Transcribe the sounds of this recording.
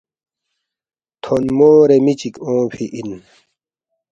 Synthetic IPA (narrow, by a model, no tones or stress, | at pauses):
t̪ʰonmoːɾemit͡ɕikõːpʰiʔin